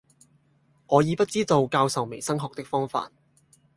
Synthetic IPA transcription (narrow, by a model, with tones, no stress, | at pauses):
ŋʔɔː˨˧jiː˨˧pɐ˥t̚t͡siː˥t̪o˨˧wkaː˧wsɐ˨wme˨˩jsɐ˥ŋɦɔː˨k̚t̪ɪ˥k̚fɔː˥ŋfa̰ː˧t̚